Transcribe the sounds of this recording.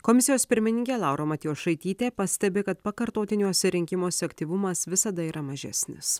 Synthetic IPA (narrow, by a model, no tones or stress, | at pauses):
komʲɪsʲɪjoːspʲɪɾʲmʲɪnʲɪŋʲkʲeːlˠɑʊɾʔoːmɐt̪ʲɪjoːsʃɐɪt̪ʲiːt̪ʲeːpɐsʲt̪ʲɛbʲeːkɐt̪pɐkɐɾt̪oːt̪ʲɪnʲuɔsʲɛɾʲɪŋʲkʲɪmoːsʲɛɐkʲt̪ʲiːʋʊmɐsʋʲɪsɐd̪ɐiːɾʔɐmɐʒʲɛ̰sʲnʲɪ̰s